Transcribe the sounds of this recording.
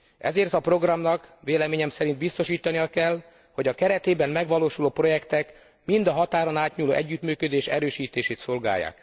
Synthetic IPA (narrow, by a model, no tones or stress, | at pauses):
ʔɛ̰zeːrt̪ɒpro̞ɡrɒmnɒkʋeːlɛmeːɲɛmsɛɾind̪̚bist̪o̞ʃiːt̪ɒnijɒkɛl | ho̞ɟɒkɛɾɛt̪eːbɛmmɛɡʋɒloːʃuloːpro̞jɛkt̪ɛk | mind̪ɒɦɒt̪aːɾonaːt̪ɲuːloːʔɛɟːyt̪myːkød̪eːʃɛɾøːʃiːt̪eːʃeːt̪so̞lɡa̰ːjːa̰ːk